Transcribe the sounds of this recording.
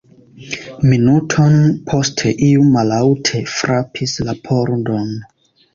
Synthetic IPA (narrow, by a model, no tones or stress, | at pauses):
minutʰo̞npʰo̞stʰe̞ʔiumalawtʰe̞fɾapʰislapʰo̞ɾdo̞n